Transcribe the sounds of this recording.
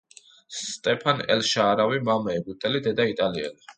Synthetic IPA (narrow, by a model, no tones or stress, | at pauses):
st̪ʼɛpʰanɛ̰lʃaːɾavimamɛːɡut̪ʼɛlid̪ɛd̪ait̪ʼaliɛ̰li